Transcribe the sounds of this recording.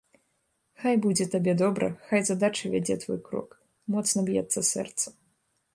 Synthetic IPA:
xajbud͡zʲɛt̪abʲɛd̪ɔbɾɐ̰xajzad̪at͡ʂɨvʲad͡zʲɛt̪vɔ̰jkɾɔ̰k | mɔt̪snɐbjɛ̰t̪sːɐsɛ̰rt̪sɐ

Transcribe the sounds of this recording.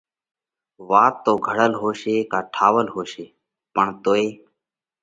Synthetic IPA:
ʋaːt̪ːoːɡʱəɽəlɦoːʃeːkaːʈʰaːʋəlɦoːʃeː | pəɳt̪oːeː

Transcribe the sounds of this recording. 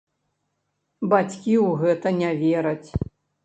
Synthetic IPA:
bat͡sʲkʲiuɣɛt̪ɐnʲavʲɛɾɐt͡sʲ

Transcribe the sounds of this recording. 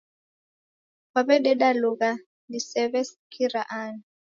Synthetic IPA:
waβɛɗɛɗaluɣa | ndisɛβɛsikʰiɾaʔani

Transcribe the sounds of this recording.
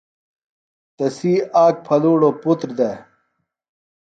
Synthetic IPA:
t̪ɐsiːaːk̚pʰɐluːɽoput̪ɾd̪e

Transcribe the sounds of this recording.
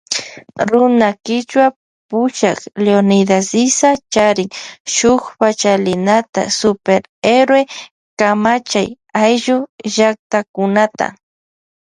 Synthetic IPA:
ɾʊnakɪt͡ʃwa | pʊʃakleonɪd̪asɪsat͡ʃaɾɪŋʃʊχpat͡ʃalɪnat̪a̰sʊpeɾ | eɾwe | kamat͡ʃaj | ajʒʊʒak̚t̪akʊnat̪a̰

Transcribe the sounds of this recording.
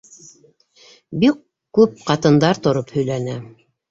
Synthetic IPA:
bikː | ʉp̚qɑt̪ɤ̆nd̪ɑɾt̪ŏɾophɵ̆jlænæ

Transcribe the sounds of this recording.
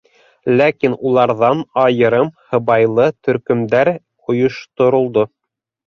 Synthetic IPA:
lækinulˠɑɾðɑnɑjɤ̆ɾɤmhɤ̆βɑjlˠɤt̪ɵ̆ɾkɵ̆md̪æɾ | ŏjŏʃt̪ŏɾŏlˠd̪o

